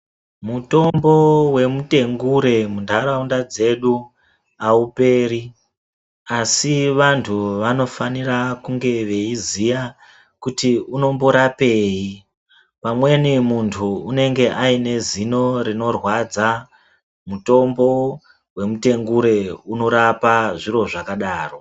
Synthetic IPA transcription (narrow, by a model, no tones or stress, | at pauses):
muto̞mbo̞we̞mute̞ŋɡuɾe̞mundʱaɾaundad͡ze̞ɗu | aupe̞ːri | asiʋantʰuʋano̞fanirakuŋɡe̞ʋe̞izija | kutiuno̞mbo̞ɾape̞ːji | pamwe̞nimuntʰuune̞ŋɡe̞ʔaine̞zino̞rino̞rwad͡za | muto̞mbo̞ | we̞mute̞ŋɡuɾe̞uno̞ɾapaʐiro̞ʐakaɗaːro̞